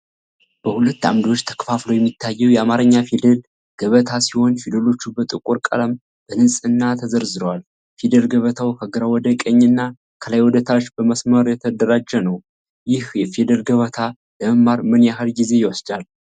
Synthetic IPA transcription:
b̥əhulət̪ːa̰md̪iot͡ʃːt̪ʰə̥kfaflowjɛmːit̪ʰːajːɛwjɛamaɾəɲːafid̪əl | ɡ̥əβət̪ʰasiho̞nfid̪əlo̞t͡ʃːubət̪ʼɨkʼuɾkʼə̰ləm | b̥əhɨnsʼɨnːat̪ʰəzəɾzɨɾəwal | fid̪əlɡəβət̪ʰawkʰəɡɨɾawɔd̪əkʼəɲːɨnːa | kʰəlajwɔd̪ət̪ʰat͡ʃːbəməsməɾjɛt̪ʰəd̪əɾad͡ʒːɛnəw | jɪhjɛfid̪əlɡəβət̪ʰa | ləməmːaɾmɨnjaɦəlɡize̞jɛwɔsd̪al

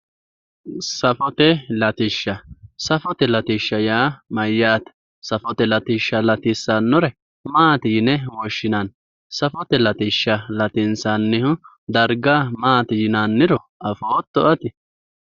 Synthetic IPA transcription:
sɐfɔt̪ɛlɐt̪ɪʃːɐsɐfɔt̪ɛlɐt̪ɪʃːɐjaːmɐjːaːt̪ɐ̥ | sɐfɔt̪ɛlɐt̪ɪʃːɐlɐt̪ɪsːɐnːɔɾɛ | maːt̪ɪjɪnɛwɔʃːɪnan | sɐfɔt̪ɛlɐt̪ɪʃːɐlɐt̪ɪnsanːɪhʊ | d̪ɐɾɡaːmaːt̪ɪjɪnanːɪɾɔ | ʔɐfoːt̪ːɔʔɐt̪ɪ

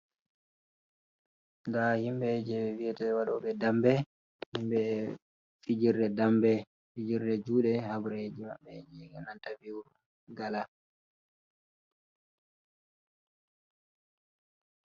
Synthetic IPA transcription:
ndahimbɛd͡ʒɛɓɛwiɛtɛwaɗɔɓɛdambɛ | himbɛ | fid͡ʒiɾdɛdambɛ | fid͡ʒiɾdɛd͡ʒuːɗɛhabuɾed͡ʒima̰ɓːɛd͡ʒɛɡɛnantaviwuɾu | ɡala

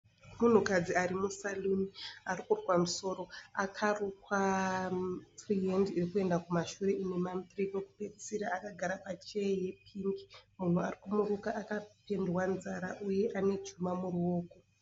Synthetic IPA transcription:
mun̤ukad͡ziaɾimusaluniarikurkwamuso̞ːɾo̞akʰarukwa | triendiirikue̞ndakumaʃuɾe̞ʔine̞mampirikoku̥pet͡si̥siɾaːkaɡʱaɾapat͡ʃeeje̞pʰiŋɡi̥mun̤uarikumurukaʔːkape̞ndwanzaɾaʔuje̞ʔane̞d͡ʒumamuruoːko

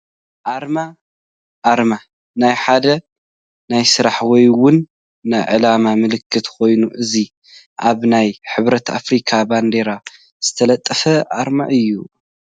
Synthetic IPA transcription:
ʔaɾma | ʔaɾma | najħad̪ɐ | najsɨɾaħwɔjwʊnː | ajʕɨ̰lamamɨlɨkʰːɨt̪kʰo̞jnuʔɨzi | ʔaβnajħɨβɾɐt̪ʰa̰fɾikʰaband̪eɾa | z̥ɨt̪ʰɐlɐt̪ʼːɐfɐʔa̰ɾma̰ʔɨjːu

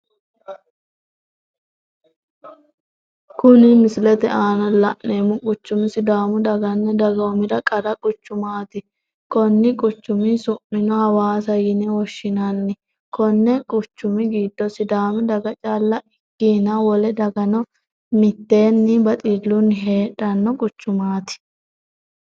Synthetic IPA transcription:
kʊnɪmɪslɛt̪ɛ̰ʔaːnɐlɐʔneːmʊkʼʊt͡ʃːʊmɪsɪd̪aːmʊd̪ɐɡɐnːɛd̪ɐɡɐmɪdɐkʼɐɾɐkʼʊt͡ʃːʊmaːt̪ɪ | kɔnːɪkʼʊt͡ʃːʊmɪsʊmːɪnɔhɐwaːsɐjɪnɛwɔʃːɪnɐnːɪ | kɔnːɛkʼʊt͡ʃːʊmɪɡiːd̪ːɔsɪd̪aːmʊd̪ɐɡɐt͡ʃʼaːlːɐɪkːiːnɐwɔlɛd̪ɐɡɐnɔ | mɪt̪ːe̞ːnːɪbɐt̪ʼɪlːʊnːɪɦe̞ːᶑɐnːɔkʼʊt͡ʃːʊmaːt̪ɪ̥

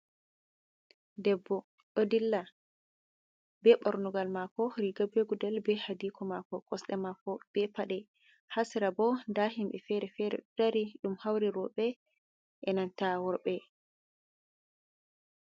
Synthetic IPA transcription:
dɛbːɔ | ɗodilːa | bɛɓɔɾnuɡalmakɔɾiɡabeɡudɛlbɛhadikʰɔmakɔkʼɔsɗɛmakɔb̥ɛpaɗɛ | hasiɾabɔndaɦimɓɛfɛɾɛfɛɾɛ̰ɗɔdaɾiɗumhawɾiɾɔɓɛ | ʔɛnantawɔɾɓɛ

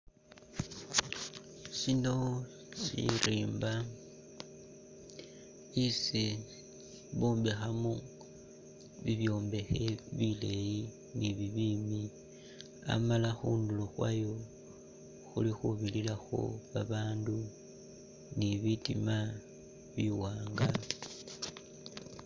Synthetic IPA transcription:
ʃino̞ | ʃḭriːmba | isi | βoːmbexamo | βiβjo̞ːmbe̞xe̞βile̞ji | niβiβiːmi | a̰malaxuːnduloxwajo | xulixuβililaxo̞̰βaβaːndu | niβitima | βiwaːŋɡa

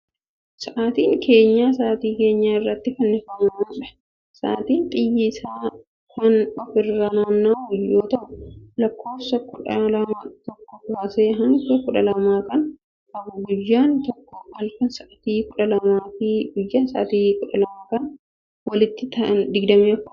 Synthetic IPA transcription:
sɐʔaːt̪iːŋkʰe̞ːɲːaːs̬aːt̪iːke̞ːɲːaːɪrːɐt̪ːɪfɐnːɪfɐmɐmaːᶑɐ̥ | sa̰ːt̪iːnt̪ʼɪjːɪsaː | kɐnʔɔfɪrːaːnaːnːaːʊjoːt̪ɐʔʊlɐkːo̞ːfsɐkʊᶑɐlɐmat̪ɔkːɔkbaːseːɦɐŋkɛkʊᶑɐlɐmaːkɐn | kɐbʊɡʊjːaːnt̪ɔkːɔɐlkɐnsɐʔat̪iːkʊᶑɐlɐmaːfiːɡʊjːaːnsa̰ːt̪iːkʊᶑɐlɐmaːkɐn | wɐlɪt̪ːɪt̪ɐɐnd̪ɪɡd̪ɐmiɔkːʊ

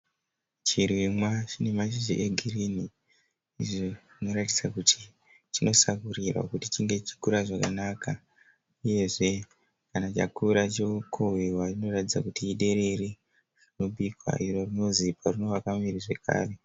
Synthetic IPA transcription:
t͡ʃirwimwat͡ʃine̞mat͡ʃiʒiʔeɡʱirini | iʐoʐino̞ɾatid͡zakutʰi̥ | t͡ʃino̞sakurirwa̰kutit͡ʃiŋɡe̞t͡ʃi̥kuɾaʐakanaka | uje̞ʐe̞ | kanat͡ʃa̰kuɾat͡ʃeukʰowiwaino̞ratid͡zakutiːɗe̞ɾe̞ri | ʐ̥ino̞ɓikwa̰ʔiro̞rino̞ziparino̞ʋakamiɾiʐe̞kʰa̰ːre̞

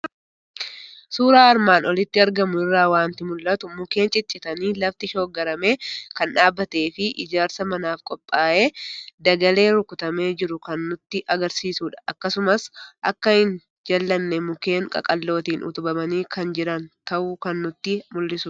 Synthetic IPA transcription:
suːɾaːɐɾmaːnʔɔlɪt̪ːɪɐɾɡɐmʊɪrːaːwaːnt̪ɪmʊlːɐt̪ʊmʊke̞ːnt͡ʃʼɪt͡ʃʼːɪt̪ɐniːlɐft̪ɪʃo̞ːɡɐɾɐme̞ːkɐnᶑaːbːɐt̪e̞ːfɪʔɪ̰d͡ʒaːɾsɐmɐnaːfkʼɔpʼːaːʔe̞ːd̪ɐɡɐle̞ːɾʊkʊt̪ɐme̞ːd͡ʒɪɾʊkɐnːʊt̪ːɪʔɐɡɐɾsiːsuːᶑɐ̥ʔɐkːɐsʊmɐsʔɐkːɐhɪn | d͡ʒɐlːɐnːɛmʊke̞ːŋkʼɐ̰kʼɐlːo̞ːt̪iːnʔʊ̰t̪ʊbɐmɐniːkɐnd͡ʒɪɾɐnt̪ɐʔukɐnːʊt̪ːɪmʊlːɪsʊ

